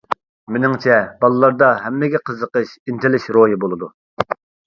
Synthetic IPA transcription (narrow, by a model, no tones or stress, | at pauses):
mɪnɪŋt͡ʃʰɛbɑlˠɨlˠɑɾd̪ɑɦɛmːɪɡʲɛqʰəzəqəʃint̪ʰɪlɪʃɾojibolˠɨd̪u